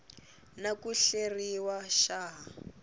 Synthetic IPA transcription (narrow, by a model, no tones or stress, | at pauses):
nakuɬeriwaʃaɦ